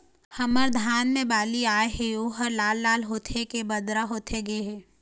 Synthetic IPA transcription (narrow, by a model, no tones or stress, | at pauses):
hɐməɾd̪ʱaːnmẽbaːliaːeɦeoːɦəɾlaːlːaːlɦoːt̪ʰekebɐd̪ɾaɦoːt̪ʰeɡeɦeː